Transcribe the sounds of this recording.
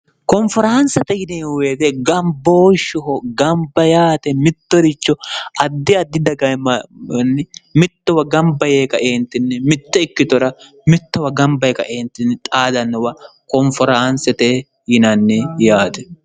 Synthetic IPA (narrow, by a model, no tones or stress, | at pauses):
kɔnfɔɾansɐt̪ɛjɪnɛweːd̪ɛɡɐmboːʃʊɦɔɡɐmbɐjaːt̪ɛmɪt̪ːɔɾɪt͡ʃːɔɐd̪ːɪɐd̪ːɪd̪ɐɡɐmnːɛmɪt̪ːɔwɐɡɐmbɐjeːkɐʔeːnt̪ːɪnːɛmɪt̪ːɛɪkːɪt̪ɔɾɐ | mɪt̪ːɔwɐɡɐmbɐjkɐ̰ʔeːnt̪ɪnːɛt̪ʼaːd̪ɐnːɔwɐkɔnfɔɾansɛt̪ɛ | jɪnɐnːɛjaːt̪ɛ